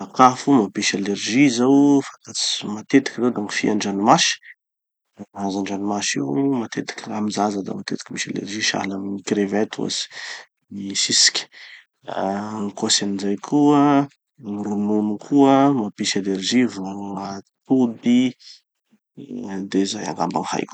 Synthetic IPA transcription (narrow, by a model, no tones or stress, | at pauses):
akafumapiʃalerʒizawfat̪at͡simat̪et̪i̥kʲizewd̪aŋifiaɳɖ͡ʐanimaʃi̥ | azaɳɖ͡ʐanimaʃḭwmat̪et̪i̥kʲəlamizazad̪a̰mat̪et̪i̥kʲimiʃalḛrʒiʃa̰laminikɾevet̪a̰si̥ | isisi̥kʲi̥ | nikosanizajkʰuə | niɾununukʰuəmapiʃanerʒivaat̪ub̪i | d̪ezaja̰ŋɡa̰mba̰nha̰jku̥